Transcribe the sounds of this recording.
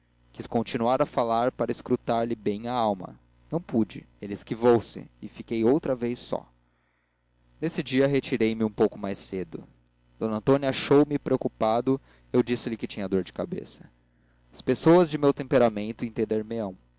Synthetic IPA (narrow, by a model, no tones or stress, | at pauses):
kʲiskõt͡ʃinuaɾɐfalaɾpaɾɐɪskɾut̪aɾlɪbẽj̃aawmɐ̰ | nɐ̃w̃pud͡ʒɪ | elɪskivowsɪ̰ɪfikejowt̪ɾɐvejsɔ̰ | nesɪd͡ʒiɐɦet͡ʃiɾejmɪũpowkʊmajsed̪ʊ̰ | d̪̥õnɐ̃nt̪õnjɐaʃowmɪpɾeokupad̪ʊ | ewd͡ʒisɪlɪkɪt͡ʃĩɲɐd̪oɾd͡ʒɪkabḛsɐ̥ | ɐspesowɐzd͡ʒɪmewt̪ẽmpeɾamẽnt̪ʊẽt̪ẽnd̪eɾmɪɐ̃w̃